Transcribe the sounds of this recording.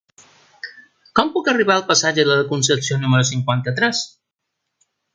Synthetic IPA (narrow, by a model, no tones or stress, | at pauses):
kɔmpukəriβaəlˠpəsaʒəðəðəkunsəsionuməɾusiŋkwant̪ət̪ɾɛs